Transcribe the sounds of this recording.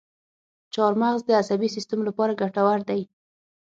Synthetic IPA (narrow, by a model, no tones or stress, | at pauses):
t͡ʃɑɾmaɣzd̪əasabisist̪amlapɑɾaɡaʈawaɾd̪aj